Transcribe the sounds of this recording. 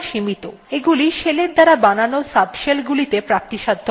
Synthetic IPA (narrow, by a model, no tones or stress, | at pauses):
ʃimit̪o | eɡuliʃeleɾd̪aɾabananosabʃelɡulit̪epɾap̚t̪iʃad̪ʱːo